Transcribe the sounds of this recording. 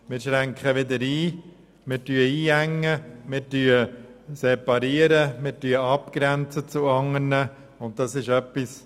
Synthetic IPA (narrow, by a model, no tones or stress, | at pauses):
mɪːɾʃɾæŋkχəʋɪd̪əɾiː | mɪːɾtyəiːæŋːəmɪɾtyːəsɛpɑɾiəɾəmɪɾtyəɑpkɾænt͡sət͡suɑŋːərnə | ʊnt̚tɑsɪʃœpːis